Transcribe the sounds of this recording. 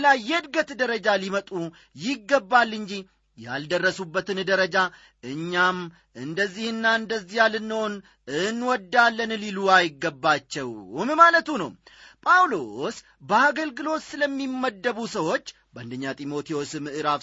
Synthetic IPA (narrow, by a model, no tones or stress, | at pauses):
lajɛɨd̪ɡət̪d̪əɾəd͡ʒalimət̪ʼu | jɪɡːəbːalːɨɲd͡ʒi | ja̰ld̪ərːəsubːət̪ɨnd̪əɾəd͡ʒa | ɨɲːam | ʔɨnd̪əzːihɨnːaɨnd̪əzːihjalɨnːɨhon | ɨnːwɔd̪ːalːənliluajɪɡːəbːat͡ʃːɛwmmalət̪unəw | pʼawlo̞s | bəaɡəlɡɨlo̞t̪sɨləmːimːəd̪ːəβusəwo̞t͡ʃː | bəʔa̰nd̪əɲːat̪ʼimo̞t̪ʰijo̞smɨʔɨɾa